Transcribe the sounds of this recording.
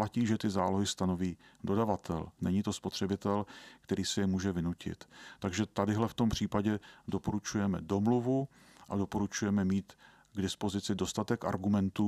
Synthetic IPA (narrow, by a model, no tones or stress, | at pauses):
laciːʒɛt̪ɪzaːloɦɪst̪ano̞viːdo̞davat̪ʰɛ̰lnɛɲit̪o̞spo̞t̪r̝̥ɛbɪt̪ɛlkt̪ɛɾiːsɛjɛmuːʒɛvɪnucɪ̰t̪ːaɡʒɛt̪adɪɦlɛft̪o̞mpr̝̥iːpaɟɛdo̞po̞ɾut͡ʃujɛmɛdo̞mluvu | ʔado̞po̞ɾut͡ʃujɛmɛmiːt̪ | ɡdɪspozɪt͡sɪdo̞st̪at̪ɛka̰ɾɡumɛnt̪uː